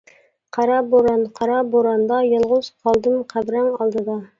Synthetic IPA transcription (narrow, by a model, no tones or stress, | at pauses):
qʰɑɾɑboɾɑnqʰɑɾɑboɾɑnd̪ɑjɑlˠʁʊz̥qʰɑlˠd̪ɨmqʰæbɾæŋɑlˠd̪ɨd̪ɑ